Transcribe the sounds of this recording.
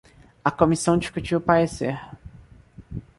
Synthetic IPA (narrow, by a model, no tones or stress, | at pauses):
ɐkomisɐ̃w̃d͡ʒiskut͡ʃiʊpaɾeseɾ